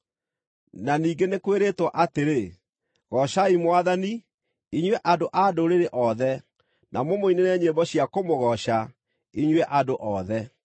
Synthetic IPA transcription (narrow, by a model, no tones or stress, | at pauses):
naniːŋɡenekweɾetwɔʔateɾe | ɣɔɕaimwaðani | iɲwɛʔadoʔadoɾeɾeʔɔðɛ | nʔamomoinenɛɲebɔɕiakomoɣɔɕa | iɲwɛʔadoʔɔðɛ